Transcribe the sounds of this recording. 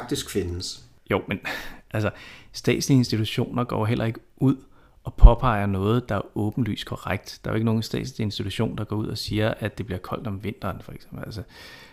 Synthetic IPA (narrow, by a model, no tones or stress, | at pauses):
ɡ̥̚d̥isɡ̥fenəs | jo̰menʔælsɐsd̥ɛ̰ːdsliensd̥it͡sʰuɕo̝̰ːnɐɡ̥ɒ̰ːɦel̰ʔɐe̝ɡ̥əʔuð̰ˠ | ɒ̽pʰɒ̽pʰɑ̈ɪ̰ɐnɔ̽ːð̞̩ˠd̥ɑ̈æɐɔ̽ːb̥n̩ly̰ːskʰɒʁaɡ̥̚d̥d̥ɑ̈æoe̝ɡəno̝ːn̩sd̥ɛ̰ːd̥slie̝nsd̥it͡sʰuɕo̝̰ːnd̥ɑ̈ɡ̥ɒ̰ːuð̞̰ˠɒ̽siːɐʔæd̥e̝b̥liɐkʰɒ̽l̰d̥ɒ̽mʋe̝n̰d̥ɐːnfɒeɡ̥semb̥̩ælsə